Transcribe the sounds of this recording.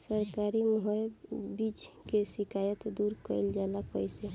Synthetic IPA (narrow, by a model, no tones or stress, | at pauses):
səɾkaɾiməɦɔjbid͡ʒ | kesikʰajət̪d̪uɾkəɪld͡ʒalapəjse